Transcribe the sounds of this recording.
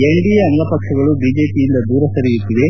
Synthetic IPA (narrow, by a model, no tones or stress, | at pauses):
eɳɖijɐɐŋɡɐpɐkʂɐɡɐɭubiːd͡ʒe̞ːpijind̪ɐd̪uːɾɐsɐɾijut̪ːid̪e̞